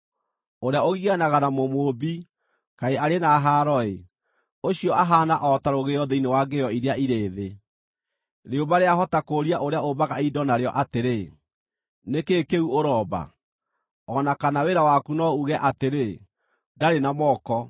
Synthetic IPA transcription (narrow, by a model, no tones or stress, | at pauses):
oɾeaoɣiɣanaɣanamomobi | kaeaɾenaɦaɾɔe | oɕiɔʔaɦaːnaʔɔtaɾoɣeɔðeinewaːɡejɔiɾeaiɾeːðe | ɾeobaɾeaɦɔtakoɾiaʔoɾeaobaɣaidɔnaɾeɔʔateɾe | nekekeuoɾɔːba̰ | ɔnakanaweɾawakunɔuɣɛʔateɾe | daɾenamɔːkɔ